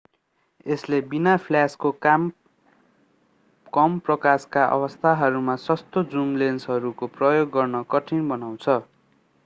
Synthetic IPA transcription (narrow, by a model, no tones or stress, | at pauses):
eslebinapʰljasko | kʌmprʌkaskaʔʌ̰bʌst̪ʰaɦʌɾumasʌst̪od͡zumlensɦʌɾukoprʌjoɡːʌrnʌkʌʈʰinbʌnaw̃t͡sʰʌ